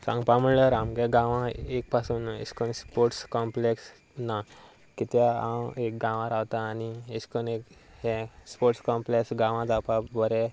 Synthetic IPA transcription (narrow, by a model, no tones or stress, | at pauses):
sã̰ŋɡpãməɽləɾamɡɛ̃ɡãʋãek̚pasunḛskənspoɾʈskɔmpleks | na | kit̪eamek̚ɡãʋãɾaʋt̪aːnieskənekhɛ̃spoɾʈskɔmpleksɡãʋãd͡zapabəɾɛ